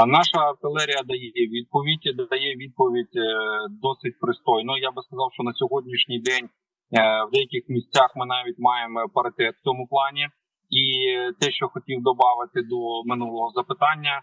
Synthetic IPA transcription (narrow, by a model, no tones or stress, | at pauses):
nɑʃɐɐrt̪ɪlˠɛɾʲijɐd̪ɐjjɛʋʲid̪̚pɔʋʲidʲd̪jɛʋʲid̪̚pɔʋʲidʲd̪ɔsɪt̚ʲpɾɪst̪ɔjnɔjabɪskɐzɑwʃt͡ʃɔnɐsʲɔɦɔdʲnʲiʃnʲijd̪ɛnʲ | wd̪ɛjɐkʲɪxmʲisʲt͡sʲaxmɪnɑʋʲitʲmɑjempɐɾɐt̪ɛt̪t̪ʲɔmʊplˠɑnʲi | it̪ɛʃt͡ʃɔxɔtʲiwd̪ɔbɑʋɪt̪ɪd̪ɔmɪnulˠɔɦɔzɐpɪt̪ɑnʲːɐ